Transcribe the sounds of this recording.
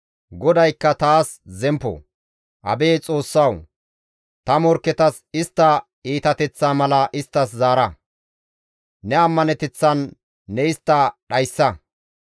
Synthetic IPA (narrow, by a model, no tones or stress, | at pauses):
ɡɔd̪ɐjkːɐt̪aːs | zɛmpːɔ̰ | ʔɐ̰beːt͡sʼo̞ːsːɐw | t̪ɐmɔɾkːɛt̪ɐs | ɪst̪ːɐ | iːt̪ɐt̪ɛt͡sːaːmɐlɐʔɪst̪ːɐs̬zaːɾɐ | nɛɐmːɐnɛt̪ɛt͡sːɐnː | ɛɪst̪ːɐɗɐjsːɐ